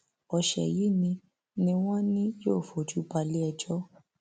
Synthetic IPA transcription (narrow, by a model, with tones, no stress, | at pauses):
ɔ˨ʃɛ̰˨ji˨˦˨nĩ˧ | nĩ˧w̃ɔ̃˦nĩ˦jo˦˨fo˨d͡ʒu˨˦ba˧li˦ɛ˧d͡ʒɔ˦